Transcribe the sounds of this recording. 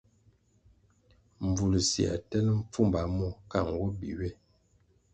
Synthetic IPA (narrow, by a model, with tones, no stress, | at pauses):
ɱ˨b͡vu˨lsi˨a̰˨tɛ˦nə˦m̩˦p͡fu˦mba˨˦mɔ˦ka˦˨ŋ˨ɡwɔ˦bḭ˨we˦˨